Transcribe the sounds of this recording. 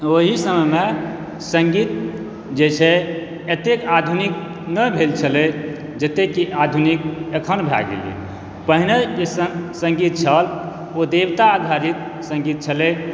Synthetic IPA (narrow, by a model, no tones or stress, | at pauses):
oɦisəməme | sə̃ŋɡit̪̚ | d͡ʒet͡ʃʰe | et̪ekad̪ʱunik̚ | nəbʱelt͡ʃʰəle | d͡ʒət̪ekiʔad̪ʱunikekʰənbʱa̰ɡḛlḛ | pəɦineessə̃ŋɡit̪̚t͡ʃʰəl | od̪ebt̪aːd̪ʱaɾit̪̚ | sə̃ŋɡit̪̚t͡ʃʰəle